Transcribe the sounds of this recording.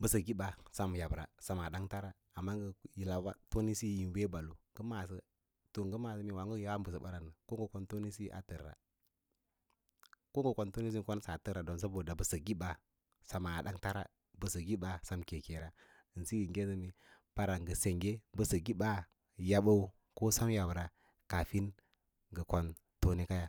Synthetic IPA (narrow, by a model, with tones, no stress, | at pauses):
bə˨sə˨ɡi˦ba˨sa˦m˨ja˨bɾa̰˨sa˨ma˨da˦ŋta˦ɾaː˨mːa˦ŋɡə˦ji˨la˨wa˦to˦ni˦si˦ji˨n˨we˦ba˨lu˨ɡə˦ma˨s̬ə˦ | to˨ŋɡə˦ma˨sə˦mi˨wa˨ŋɡu˦ja˦wa˦m˦bə˨sə˨ba˦ɾa˨nə˨ko˦ŋɡə˨ko˦nto˦ni˦si˦ʔa̰˨tə˨ɾːa̰˨ | ko˦ŋɡə˦˨ko˨˦nto˦ni˦s̬i˦ko˦n˦sa˨tə˦ɾa˨do˨ns̬a˦bo˨da˨bə˨sə˨ɡi˦ba˨ | sa˨ma˨ɗa˦ŋta˦ɾa̰˦˨ | bə˨sə˨ɡi˦ba˦sa˦mke˨ke˨ɾa˦ | ə˨nsi˦ji˨ŋɡe˦sə˦mi˨ | b̥a˦ɾa˨ŋɡə˨se˨ŋɡe˦bə˨sə˨ɡi˦ɓa˦ | ja˦ɓa˦u˦ | ko˦sa˦m˦ja˨wə˨ɾa˨ | ka˨fi˦n | ɡə˨ko˨n | to˦ni˦ka˦ja˨